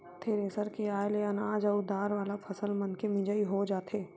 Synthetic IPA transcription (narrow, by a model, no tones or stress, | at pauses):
t̪ʰeːɾeːsəɾkeaːjleɐnaːd͡ʒɐʊd̪ʱaːɾʋaːlapʰɐsəlmɐ̃nkemɪ̃d͡ʒəiɦod͡ʒaːt̪ʰeː